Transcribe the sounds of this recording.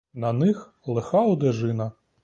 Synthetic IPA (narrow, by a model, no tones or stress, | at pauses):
nɐnɪx | lˠexɑɔd̪eʒɪnɐ